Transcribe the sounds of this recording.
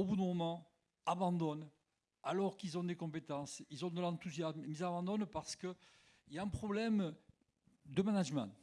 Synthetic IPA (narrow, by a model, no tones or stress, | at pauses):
obud̪ə̃mɔmɑ̃ | abɑ̃d̪ɔn | alɔʁkilzɔ̃d̪ekɔ̃mpet̪ɑ̃silzɔ̃d̪əlɑ̃t̪uzjasmizabɑ̃d̪ɔnpaʁsə̥kə | iljaɛ̃pχɔblɛm | d̪əmanaʒmɑ̰̃